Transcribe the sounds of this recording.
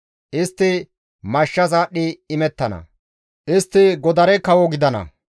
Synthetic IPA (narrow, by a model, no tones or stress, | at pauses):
ʔɪst̪ːɪ | mɐʃːɐsaːɗɪːmɛt̪ːɐnɐ̰ | ʔɪst̪ːɪɡɔd̪ɐɾɛkɐwɔɡɪd̪ɐnɐ̰